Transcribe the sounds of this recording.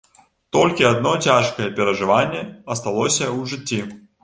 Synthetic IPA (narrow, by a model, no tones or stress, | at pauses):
t̪ɔlʲkʲiad̪̚nɔt͡sʲaʂkɐjɛpʲɛɾɐʐɨvanʲːɛɐst̪alˠɔsʲɐwʐɨt͡sʲːi